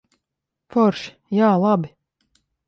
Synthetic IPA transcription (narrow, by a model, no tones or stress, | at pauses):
fɔɾʃ | jaːlˠabɪ